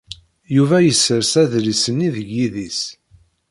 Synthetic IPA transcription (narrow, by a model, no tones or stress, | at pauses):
juvæjəsːəɾsæðɾisəniðəʝːiðis